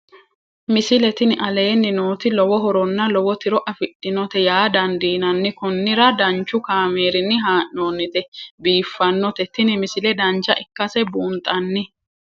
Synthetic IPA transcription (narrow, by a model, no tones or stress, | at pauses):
mɪsɪlɛt̪ɪnɪʔɐle̞ːnːɪnoːt̪ɪlɔwɔɦɔɾɔnːɐlɔwɔt̪ɪɾɔʔɐfɪtʼːɪnɔt̪ɛjaːd̪ɐnd̪iːnɐnːɪkʊnːɪɾɐd̪ɐnt͡ʃːʊkaːmeːɾɪnːɪɦaːʔnoːnːɪt̪ɛbiːfːɐnːɔt̪ɛt̪ɪnɪmɪsɪlɛd̪ɐnt͡ʃːɐʔɪkːɐsɛbuːnt̪ʼɐnːɪ